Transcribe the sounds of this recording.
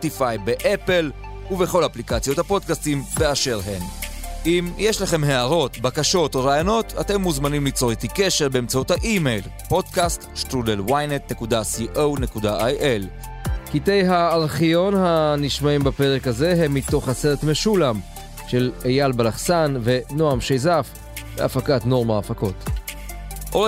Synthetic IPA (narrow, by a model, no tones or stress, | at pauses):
potifajbeʔepe̞l | uve̞χo̞laaplikat͡sjo̞thapo̞dkastimbeaʃe̞ʁɦenʔimjeʃlaχe̞mɦe̞aʁo̞tbakaʃo̞to̞ʁaːjono̞tate̞mːuzmanimlit͡so̞ʁet̪ikeʃe̞ʁbeːmt͡sauthaʔime̞jl | po̞dkastʃt̪ʁudelwajnet̪ne̞kudasiʔowne̞kudaʔajʔel | kite̞jɦaːʁχijo̞nhaniʃmaimbape̞ʁekhaze̞ɦemːit̪o̞χaseʁetme̞ʃulam | ʃe̞lejalbalaχsanve̞noamʃejzaf | vea̰fakatno̞ʁmaːfako̞t | ʔo